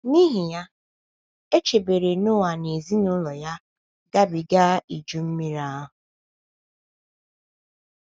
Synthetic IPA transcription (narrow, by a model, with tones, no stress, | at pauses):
ni˦ɦi˨ja˦ | e˦t͡ʃe˨be˨ɾe˨nʊ˦wa˨ne˨zi˦nʊ˦lɔ˨ja˦ | ɡa˦bi˨ɡa˦i˨d͡ʒu˦m̩˦mi˦ɾa˦ʊ˨